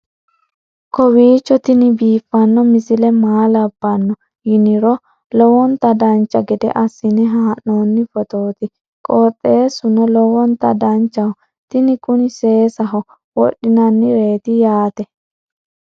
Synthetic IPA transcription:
kɔwiːt͡ʃːɔt̪ɪnɪbiːfːɐnːɔmɪsɪlɛmaːlɐbːɐnːɔ | jɪnɪɾɔ | lɔwɔnt̪ɐd̪ɐnt͡ʃːɐɡɛd̪ɛ̰ʔɐsːɪnɪɦaːʔoːnːɪfɔt̪oːt̪ɪ | kʼɔːt̪ʼːeːsʊnɔlɔwɔnt̪ɐd̪ɐnt͡ʃːɐhɔ | t̪ɪnɪkʼʊnɪseːsɐɦɔ | wɔ̰ɗːɪnɐnːɪɾe̞ːt̪ɪjaːt̪ɛ

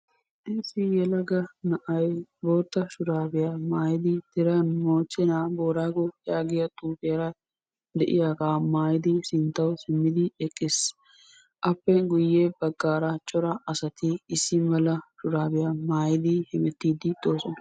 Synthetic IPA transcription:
ʔɪsɪjɛlɐɡɐnɐʔɐjbo̞ːt̪ːɐʃʊɾaːbɪjamaːjɪd̪ɪd̪̥ɪɾɐnmoːt͡ʃːɛnaːboːɾaːɡopʼːɪjaːɡɪjɐt̪ʼuːfɪjɐɾɐ | d̪ɛʔɪ̰jaːɡaːmaːjɪd̪ɪsɪnt̪ːɐwsɪmːɪd̪ɪɛkʼːɪs | ʔɐpːɛɡʊjːeːbɐɡːaːɾɐt͡ʃʼɔɾɐʔɐsɐt̪ɪɪsːɪmɛlɐʃʊɾaːbɪjamaːjɪd̪ɪhɪmɛt̪ːiːd̪ɪd̪o̞ːsɔnɐ

